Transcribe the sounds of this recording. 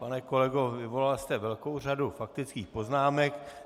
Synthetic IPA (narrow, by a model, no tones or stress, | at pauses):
panɛkolɛɡo̞vɪvo̞lalst̪ɛvɛlkowr̝adufak̚t̪ɪt͡skiːxpo̞znaːmɛk